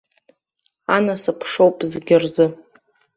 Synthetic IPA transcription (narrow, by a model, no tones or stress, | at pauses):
anasɨpʰʂowpʼzɡʲɪrzɨ